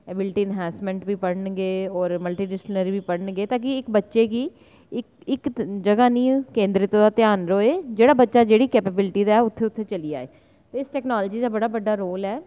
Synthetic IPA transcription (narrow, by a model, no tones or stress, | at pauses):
ɛːbɪlʈiːɪnɦɛ̃ːsmɛ̃ːɳʈbiːpəɽnɡeːɔːɾməlʈiːɖɪsplnəɾibiːpəɽɳɡeːt̪ãːk̬ɪɪkbətːʃeːkiː | ɪkɪkd͡ʒəɡaːnĩːkẽːnd̪ɾɪt̪ːõd̪aːt̪jaːnɾoːeːd͡ʒeːɽaːbətːʃaːd͡ʒeːɽiːkɛːpebɪlʈiːd̪aːɛʊt̪ʰːeːʊt̪ʰːeːt͡ʃəliːa̰ːḛː | t̪eːɪsʈɛːknɔːlːd͡ʒiːd̪aːbəɽaːbəɖːaːɾoːlɛː